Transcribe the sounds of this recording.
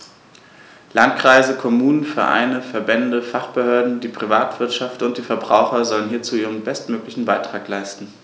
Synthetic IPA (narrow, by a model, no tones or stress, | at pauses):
lantkʁ̥aɪzəkʰɔmuːnənfɛɐʔa̰ɪnəfɛɐbɛndəfaχb̥əhøːɐdn̩diːpʁ̥ivaːtv̥ɪɐtʃaftʊnt̚d̥iːfɛɐbʁa̰ʊxɐzɔlənhiːɐt͡suːʔiːʁ̞ənbɛstmøːklɪçn̩baɪtʁ̥aːklaɪstn̩